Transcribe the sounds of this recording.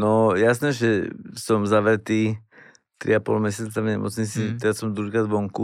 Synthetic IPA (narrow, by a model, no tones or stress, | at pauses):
nɔjasnɛːʒɛsɔmzaʋɾɛt̪iː | t̪ɾḭapɔ̰lmɛsɪat͡savɲɛmɔ̰t͡sɲit͡sit̪ɛɾasɔmd̪ɾuɦikɾaːd̪ʋɔŋku